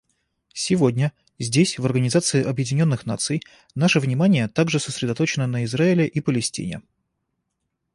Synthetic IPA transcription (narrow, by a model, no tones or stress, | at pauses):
sʲɪvo̞dʲnʲə | zʲdʲesʲvərɡənʲɪzat̪sɨɪʔɐbjɪdʲɪnʲo̞nːɨxna̰t̪sɨj | naʂəvnʲɪmanʲɪjət̪aɡʐɨsəsɾʲɪd̪ɐt̪o̞t͡ɕɪnənəɪzraɪlʲɪʔipəlʲɪsʲtʲḭnʲɪ̰